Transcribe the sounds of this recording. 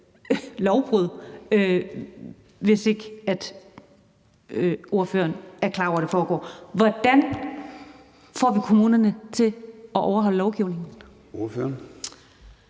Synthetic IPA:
lɒʊb̥ʁuð̰ˠø | ʋe̝se̝ɡ̥əæd̥ | ʔo̝ɐfø̰ɐnæɐkʰlɑ̈ːɒʊ̰ɐɾe̝fɒːɡ̥ɒ̰ːʋɒd̥æn | fɒ̰ːʋikʰo̝muːnɐnət͡sʰe̝ɒʔɒʊɐɦɒ̽l̰əlɒʊɡ̥iʊne̝ŋn̩ | oføɐn

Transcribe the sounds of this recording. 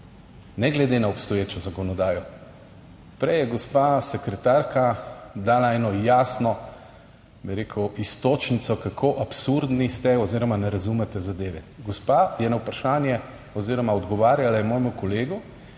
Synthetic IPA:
nɛɡlɛd̪enaɔpst̪ɔjeːt͡ʃɔzakɔnɔd̪aːjɔ | pɾɛjɛɡɔspaːsɛkɾɛt̪aːɾkad̪aːlaɛnɔjaːsnɔ | biɾeːkʰuwʔist̪oːt͡ʃnit̪sɔkakʰoʔapsuɾd̪nist̪ɛɔziːɾɔmanɛɾazumɛt̪ɛzad̪eːʋɛɡɔspajɛnawpɾaʃaːnjɛ | ɔziːɾɔmaɔd̪ɡɔʋaːɾjalajɛmoːjmukɔleːɡu

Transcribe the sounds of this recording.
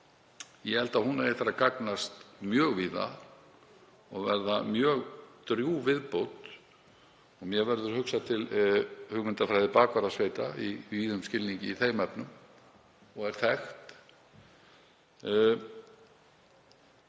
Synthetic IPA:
jɛhɛlt̪ahunaɛht̪ɪɾaðkaknast̪mjœːɣviːða̰ | ɔɣvɛɾðamjœːɣt̪ɾjuvɪðpowt̪ | ɔɣmjɛvɛɾðʏɾ̥hʏksat̪ʰɪlhʏɣmɪnt̪afɾajðɪpaːkvaɾasveːjt̪aiviːðʏmscɪlniɲcɪiθejmɛpnʏm | ɔɣɛɾ̥θɛxt̪

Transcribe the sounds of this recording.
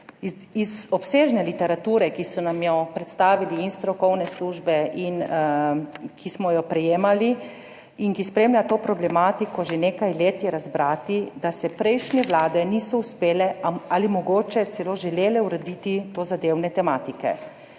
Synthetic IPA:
izɔpseːʒnɛlit̪ɛɾat̪uːɾɛkisɔnamjɔpɾɛt̪st̪aːʋiliinst̪ɾɔkɔwnɛsluʒbɛʔin | kʰismɔjɔpɾɛjeːmali | iŋkispɾemlʲjʲat̪oːpɾɔblɛmaːt̪ikɔʒeneːkajleːt̪jɛɾazbɾaːt̪id̪asɛpɾɛjʃnʲɛʋlaːd̪ɛnisɔuspeːlɛalimɔɡoːt͡ʃɛt̪sɛloʒɛleːlɛuɾɛd̪iːt̪it̪oːzad̪eːwnɛt̪ɛmaːt̪ikɛ̰

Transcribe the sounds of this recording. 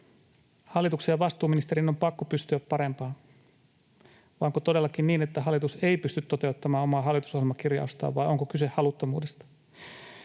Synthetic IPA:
hɑlːˑit̪uksejɑʋɑst̪uːminist̪eɾinompɑkːopyst̪yæppɑɾempɑː | ʋɑŋkot̪o̞de̞lːɑkinniːnet̪ːæɦɑlːˑit̪use̞ipyst̪yt̪ːo̞t̪e̞ut̪ːɑmɑːomɑːɦɑlːˑit̪usohjelmɑkirjɑ̰ust̪ɑ̰ːʋʋɑjo̞ŋkokysehhɑlut̪ːomuːdest̪ɑ̥

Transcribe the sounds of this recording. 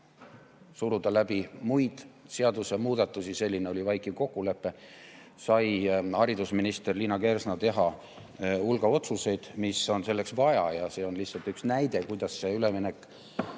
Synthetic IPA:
suɾud̪̥ɑlæb̥imujd̪̥se̞ɑd̪usemuːd̪ɑt̪ːˑusise̞lʲːineo̞lʲivɑjkˑiko̞kːˑule̞pːe̞ | sɑjhɑɾid̪usminist̪e̞rliːnɑke̞rsnɑt̪e̞ɦɑ | ulɡ̥ɑo̞t̪suse̞jd̪̥misːo̞nse̞lːe̞ksvɑjɑ̰jɑse̞ːo̞nlihsɑlt̪yksnæjd̪̥e̞kujd̪̥ɑsːe̞yle̞minekˑ

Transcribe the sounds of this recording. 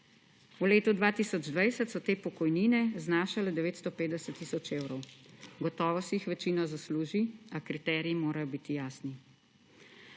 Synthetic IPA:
uleːt̪ud̪ʋaːt̪iːsɔd͡ʒd̪ʋajsət̪sɔt̪eːpɔkɔjniːnɛznaːʃalɛd̪ɛʋeːt̪st̪opeːd̪d̪ɛsɛt̪ːisɔt͡ʃeːwɾɔwɡɔt̪ɔːʋɔsɛixʋɛt͡ʃiːnɔzasluːʒiakɾit̪ɛːɾiimoːɾajɔbiːt̪ijaːsni

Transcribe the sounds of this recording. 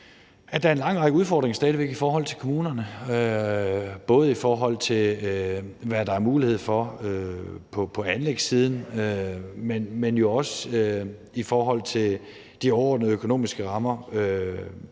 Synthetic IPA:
æd̥ɑæɐe̝nlɑ̈ŋ̰ʁɑ̈ɡ̥əuð̞ˠfɒːd̥ʁeŋsd̥ɛːðˠiʋeɡ̥ifɒːɦɒ̽l̰t͡sʰe̝lkʰomuːnɐnəø | b̥ɔ̽ːð̞̩ˠifɒːɦɒ̽l̰t͡sʰe̝l | ʋæd̥ɑ̈æɐmuːlihe̝ð̞̰ˠfɒ̽øpʰɒ̽pʰɒ̽ænleɡ̥siːð̞ˠn̩ømenmenjo̝ɒ̽səø | ifɒːɦɒ̽l̰t͡sʰe̝l | d̥iɒʊɐɒ̰ːd̥nəð̩ˠøkʰo̝no̝̰ːmisɡ̥əʁɑ̈mɐø

